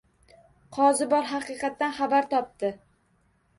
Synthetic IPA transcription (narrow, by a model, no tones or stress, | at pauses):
qʰɒzɪbɒɾɦɑqɨqɑt̪ːanχabaɾt̪ʰɒp̚t̪ɪ